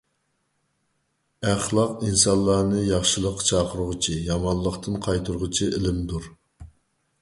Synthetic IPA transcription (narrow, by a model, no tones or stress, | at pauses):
æχlˠɑqinsɑllˠːɑːnɨjɑχʃɨlˠəqːt͡ʃʰɑːqəɾʊʁʊt͡ʃʰijɑmɑnlˠːəqt̪ʰɨnqʰɑjt̪ʰuɾʊʁʊt͡ʃʰiʔɪlɪmd̪uɾ